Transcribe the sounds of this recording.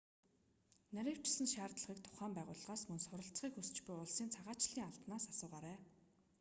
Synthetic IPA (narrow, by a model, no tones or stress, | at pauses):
næɾʲiːw̥t͡ɕɪ̥sɘ̆nʃaːrt̪ɮə̆χiːk̚t̪ʰʊ̥χæːmpæːʁʊːɮʁaːsmɵnsʊɾə̆ɬt͡sχiːkxust͡ɕpujʊɮsiːnt͡sʰaʁaːt͡ɕɮiːŋaɮp̪naːsasʊːʁaːɾæː